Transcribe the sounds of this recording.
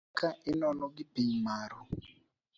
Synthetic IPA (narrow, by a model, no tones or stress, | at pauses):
kaenɔnɔɡɪpiɲmaɾɔ